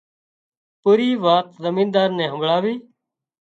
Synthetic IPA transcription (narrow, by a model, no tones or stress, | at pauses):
puːɾiːʋaːk̪̚zəmĩːnd̪aːɾnɛːɦəmbʱɭaːʋiː